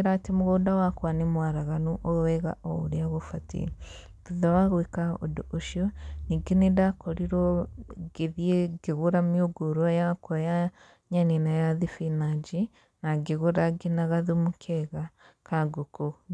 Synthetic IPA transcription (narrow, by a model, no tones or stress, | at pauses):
eɾatimuɣodawakwanemwaɾaɣanoʔowɛɣa̰ʔouɾjaɣofatḭɾi | tuðawaɣwekao̰dooʃjoniɡenedakoɾiɾoɡeðieɡeɣuɾamjoɡuɾwajakoja | ɲanenajaðifinaɟi | naɡeɣuɾaɡinaɣaðumukʰeɣakaɡoko